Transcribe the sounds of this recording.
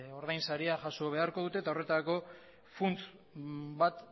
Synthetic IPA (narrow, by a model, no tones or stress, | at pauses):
o̞ɾðajnsaɾiaʝasoβ̞e̞aɾko̞ðut̪e̞ːt̪ao̞re̞t̪aako̞ | funt͡s̪ | bat̪